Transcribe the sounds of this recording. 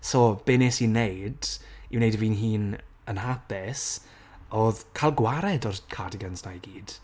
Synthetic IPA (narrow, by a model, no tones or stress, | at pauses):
sɔb̥eneːsinejdiwnejdəviːnɦiːn | ənɦapɪs | oːðkʰalˠɡwaɾɛdɔrkʰadɪɡansnajɡiːd̥